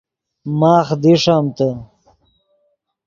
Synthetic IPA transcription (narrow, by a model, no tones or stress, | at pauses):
maːχd̪iʂamt̪ə